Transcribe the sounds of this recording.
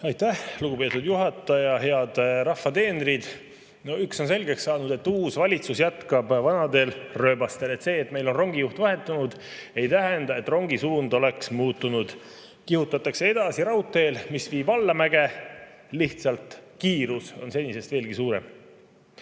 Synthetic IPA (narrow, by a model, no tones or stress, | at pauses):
ɑjt̪ːæhluɡupe̞ːt̪ud̪juɦɑt̪ːˑɑjɑɦe̞ɑd̪rɑfːɑt̪e̞ːnɾid̪̥ | noykso̞nse̞lʲɡekssɑːnud̪e̞t̪ːuːsvɑlʲit̪susjæt̪kɑbvɑnɑd̪e̞ːlrø̞ːbɑst̪e̞le̞t̪se̞ːt̪ːme̞jlo̞nro̞ŋɡ̥ijuht̪vɑɦe̞t̪ːˑunud̪̥ | e̞jt̪æɦend̪ɑe̞t̪ːˑro̞ŋɡisuːnd̪o̞le̞ksmuːt̪ːunud̪̥ | kihut̪ːˑɑt̪ːˑɑkse̞e̞d̪̥ɑsiɾɑwt̪ːˑe̞ːlmisviːb̥ɑlːɑmæɡ̥e̞ | liht̪sɑlt̪ˑkiːɾuso̞̰nse̞nʲːise̞st̪veːlɡ̥isuːɾe̞̰m